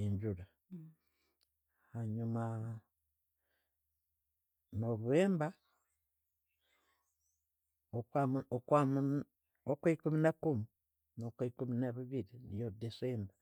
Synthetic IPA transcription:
eɲd͡ʒuɾa | haɲuma | noβueːmba | okwaokwamu | okweikuminakumi | nokwekuminaβiβiɾinijodeseːmba

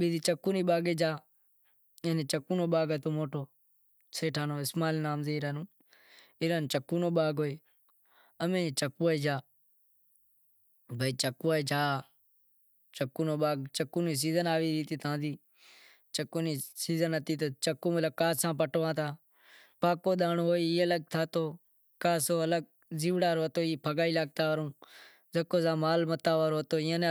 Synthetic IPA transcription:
ɓiːd̪iːt͡ʃəkːuːniːɓaːɡeːd͡ʒaː | eneːt͡ʃəkuːnoːɓaːɡət̪oːmoːʈoː | seːʈʰaːnoːɪsmaːlːnaːmzeːɾaːnũː | ɪːɾant͡ʃəkːuːnoːɓaːɡoːeː | əmẽːt͡ʃəkuːaiːd͡ʒaː | bʱəiːt͡ʃəkuːaeːd͡ʒaː | t͡ʃəkuːnoːɓaːɡt͡ʃəkuːniːs̬iːzənaːʋiːɾiːt̪iːt̪ʰãːd̪iː | t͡ʃəkːoːniːsiːzənət̪iːt̪̬oːt͡ʃəkːõːmət̪ləb̚kaːsãːp̬əʈʋãːt̪ʰaː | paːkoːɗ̪aːnõːɦoːiiːələɡ̚t̪ʰaːt̪oː | kaːsoːələɡ̚ | ziːʋɽaːɾoːət̪oːiːpʰəɠaːiːlaːɡ̚t̪aːʋəɾõː | zəkoːzãːmaːlmət̪aːʋaːɾoːət̪oːɪːãːne

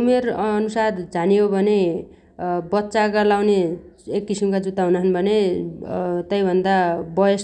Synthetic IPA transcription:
umerʌnusard͡zanijobʱʌne | bʌt̪ːsaɡʌlawneekːisimkad͡zut̪aɦunʌɦnbʱʌne | t̪ʌjbʱʌnd̪abʌjʌs

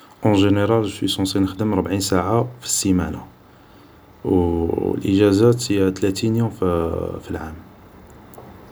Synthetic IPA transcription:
ʔɑ̃ʒeneɾˤɑlswisɑ̃sinəxd̪əmɾˤbʕinsaʕafi̥simæna̰ | w̰lʔə̰ʒæzat̪it̪læt̪injõffilʕam

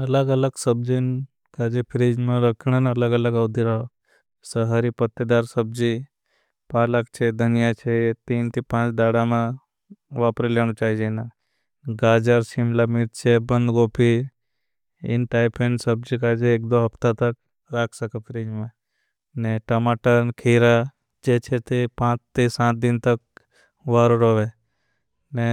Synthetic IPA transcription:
ɐləɡələɡsəb̚d͡ʒin | kad͡ʒepʰɪɾiːd͡ʒmẽɾəkʰɽ̃ənɐləɡəɐləɡɐʊd̪ʱiɾa | səɦaɾipət̪ːed̪aːɾsəb̚d͡ʒi | paːlək̚t͡ʃʰed̪ʱənijat͡ʃʰet̪iːnt̪ʰipãːt͡ʃd̪aːɽamã | ʋaːpɾileːɽ̃ut͡ʃaːid͡ʒena | ɡaːd͡ʒəɾsɪmlamit̪t͡ʃʰebə̃nd̪ɡoːpi | ɪ̰nʈaːɪpʰẽɳɖsəb̚d͡ʒikad͡ʒʰeeːkd̪oɦɐpt̪at̪ək̚ | ɾaːkʰsəkepʰɾiːd͡ʒmẽ | neʈɐmaːʈənkʰiːɾa | d͡ʒeːt͡ʃʰet̪epãːt͡ʃt̪isãːt̪̚d̪ɪnt̪ək̚ | ʋaːɾoɾoːʋe | ne

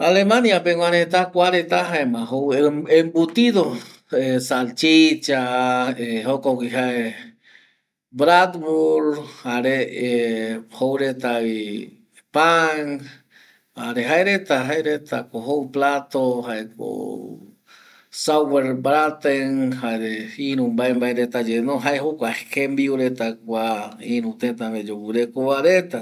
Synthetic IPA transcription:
alemanjapeŋwaɾet̪akʷaɾet̪aɦaemãɦoweembut̪iðo | esalt͡ʃit͡ʃaeɦokokiɦae | bɾad̪buɾhaɾeehowɾet̪ai | paŋ | aɾeɦaeɾet̪aɦaeɾet̪akoɦowplat̪oɦaeko̰ | saweɾbɾat̪eŋhaeɾeiɾũmbaembaeɾet̪ad͡ʒenoɦaeɦokʷakembiuɾet̪akʷaĩɾũt̪ẽt̪amed͡ʒowɨɾekoβaɾet̪a

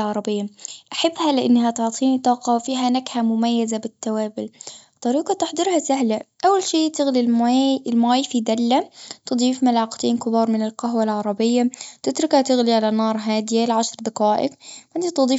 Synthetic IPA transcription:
ʕɑɾˤɑbɪjːaʔaħɪbːhalɪʔanːɦat̪ʊʕt̪ˤʰiːnit̪ˤːɑːqɑwfiːɦanaɡhamʊmajːazabɪt̪ːawaːbɪlt̪ˤːɑɾiːqɑt̪ɪħd̪ˤɨɾhasaɦlaʔawːalʃiːt̪ɪɣlilmɪlmaːjfid̪alːat̪ɨd̪ˤiːfmalaqt̪iːnkɪbɑːɾˤmɪnɪlqaɦwalʕɑɾˤɑbɪjːat̪ɪt̪ɾɪkhat̪ɪɣliʕalanɑːɾˤɦaːd̪ɪjalʕaʃɾˤd̪ɑqaːʔɪ̰kʔɪnt̪it̪ɨd̪ˤiː

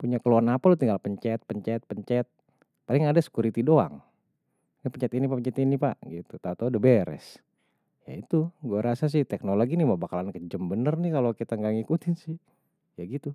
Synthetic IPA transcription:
puɲakəluanapalut̪iŋɡalpəɲt͡ʃɛt̪̚pəɲt͡ʃɛt̪̚pəɲt͡ʃɛt̪̚ | palɪŋadasə̥kuɾit̪idoa̰ŋ | napəɲt͡ʃɛt̪inipapəɲt͡ʃɛt̪inipa̰ʔɡit̪ut̪aut̪audəbeɾɛ̰s | ja̰it̪uɡuaɾʔasas̬ɪht̪ɛknoloɡiniməbakalankəd͡ʒəmbənərnɪkalokit̪aŋɡaŋikut̪ɪnsɪh | jaɡit̪u

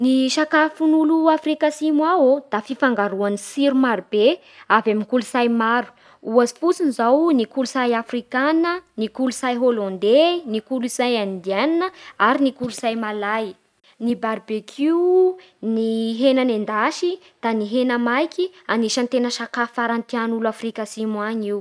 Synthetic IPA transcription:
niʃakafunuluafrikasimwaod̪afifaŋɡaɾuanisiɾumaɾube | avamikulusajmaɾu̥ | uazi̥fut͡sinizawnikulusajafrikanənikulusajɦolɔ̃nd̪enikulusajand̪iananəaɾinikulusajmalaj | nibaɾbekʰiu | niɦenanend̪aʃi | d̪̥aniɦenəmajkianiʃant̪enəʃakafaɾant̪ianulafrikasimaɲiw

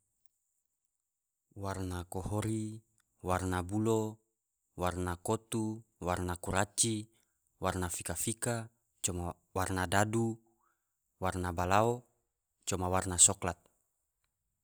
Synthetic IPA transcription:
warnakohoɾi | warnabulo | warnakot̪uwarnakuɾat͡ʃi | warnafikafika | t͡ʃɔma | warnadadu | warnabalao | t͡ʃɔmawarnasɔklat̪̚

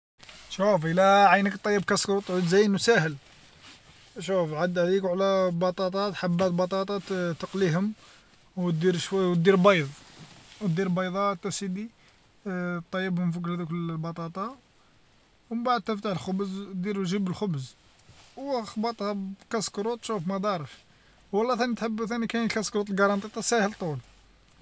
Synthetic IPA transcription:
ʃufəlæʕajnəkt̪ˤːɑjːəbkæskɾut̪ˤʕud̪zæjnwsæhəl | ʃufʕad̪hlikʕlæbɑt̪ˤɑt̪ˤɑt̪ħabːæt̪bɑt̪ˤɑt̪ˤɑt̪əqliɦʊm | wt̪d̪iɾʃwæwt̪̚d̪iɾbɑjðˤw̚d̪iɾbɑjðˤɑt̪ːæsid̪i | t̪ˤːɑjːəbhʊmfiklhæd̪ukəbɑt̪ˤɑt̪ˤɑ | wbaʕəd̪̚t̪ːəft̪aħəlxʊbəzd̪iɾʒəbəlxʊbz | wxbɑt̪ˤhɑkæskɾut̪ˤʃufmæd̪ɑɾˤəʃ | wɑlːɑθænit̪ħəbːθænikæjkæskɾut̪ˤlɡɑɾˤɑnt̪ˤit̪ˤːɑsæhəlt̪ˤul

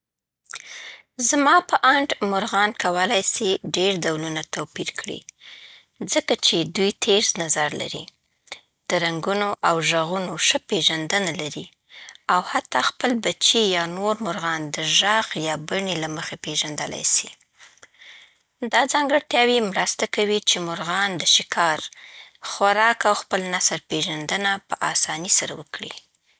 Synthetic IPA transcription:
zmɑpəʔaɳʈmʊɾɣɑnkawəlajsiɖeɾd̪awlunat̪apiɾkɽḭ | zəkat͡ʃed̪ujt̪ʰeɾznazaɾla̰ɾḭ | d̪̥əɾaŋɡunoʔawʒaɣunoʂəpeʒand̪ənalaɾi | awhat̪ːɑxpəlbat͡ʃijɑnoɾmʊɾɣɑnd̪əʒɑɣjɑbaɳilaməxepeʒand̪əla̰jsi | d̪ɑd͡zɑŋɡəɽt̪jɑwimɾəst̪akawit͡ʃemʊɾɣɑnd̪əʃɪkʰɑɾxaɾɑkawxpəlnasəɾpeʒand̪ənapəʔɑsɑnisaɾawəkɽḭ

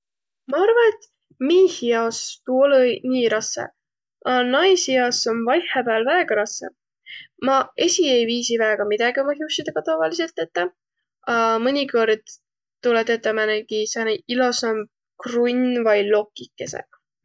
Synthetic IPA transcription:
mɑɑrvɑnet̪ | miːhiɑst̪uolenʲiːɾɑsḛ | ɑnɑjsiɑsonvɑjhepæːlvæeɡ̥ɑɾɑse | mɑe̞sʲie̞jviːsivæeɡ̥ɑmid̪̥ɑɡ̥iumɑhust̪id̪̥ɑɡ̥ɑt̪ɑvɑlise̞lt̪ːˑe̞t̪ːe | ɑmɤnʲiko̞rd̪̥ | t̪ːulet̪et̪ːˑɑmæneɡisɑneilo̞sɑm | krunʲvɑjlo̞kːikːesḛ

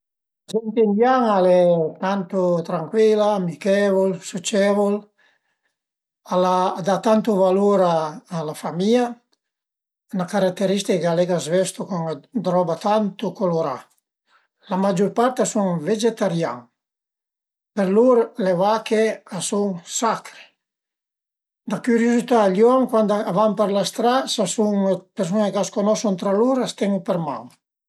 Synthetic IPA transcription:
ad͡ʒɛnt̪end̪jaŋalet̪ant̪ot̪ɾaŋkwilaːmikevolsut͡ʃɛvol | alad̪at̪ant̪uvaluɾaːlafamia | nakaɾak̚t̪eɾist̪ikkalɛɡazvɛst̪ukɔŋad̪ɾɔbat̪ant̪ukoloɾa̰ | lamad͡ʒuɾpaɾt̪asuŋved͡ʒet̪aɾjaŋ | peɾluɾlevakeasuŋsakɾe̥ | d̪akyɾjozit̪aːlʎjɔŋkwand̪aavampeɾlast̪ɾasasuŋpeɾs̬unekaskonɔsunt̪ɾaluɾast̪ɛŋupeɾma̰ŋ

